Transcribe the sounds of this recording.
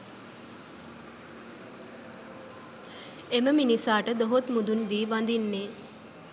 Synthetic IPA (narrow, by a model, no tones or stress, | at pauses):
eməminisaːʈəd̪oɦot̪mud̪und̪iːʋand̪inːe